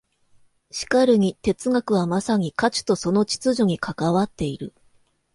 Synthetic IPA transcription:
ɕi̥kaɾɯ̟ŋ̟it̪e̞t͡sɨŋakɯ̟βamasaŋ̟ikat͡ɕi̥t̪o̞so̞no̞t͡ɕi̥t͡sɨʑo̞ɲ̟ikʰakaβat̪ːe̞iɾɯ̟

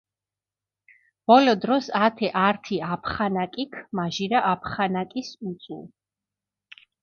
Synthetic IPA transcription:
b̥ɔlɔd̪ɾɔsat̪ʰɛʔaɾt̪ʰiapʰχanakʼikʰmaʒiɾaʔapʰχanakʼisut̪sʼṵl

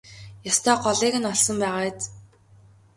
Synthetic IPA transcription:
jɔst̪ʰœːɢɔɮiːkɘ̆nɔɮsɞ̆mpæːʁaːt̪

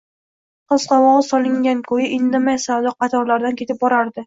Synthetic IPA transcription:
qɨz̥qɑvɒɒlˠɪŋɡʲankʰojɪʔɪnd̪ɪmajsad̪ɒqɑt̪ʰɒɾlaɾd̪ankʰʲe̞t̪ʰɪp̚bɒɾaɾd̪ɪ

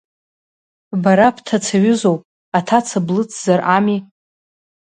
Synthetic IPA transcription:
baɾapʰtʰat͡sʰaɥʏzowpʼ | atʰat͡sʰablɨt͡sʰzarʔami

